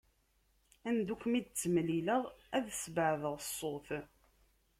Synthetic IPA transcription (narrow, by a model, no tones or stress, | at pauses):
ænd̪ukʷːmid̪̚t͡sːəmliləʁæðsbəʕðəʁsˤːoθ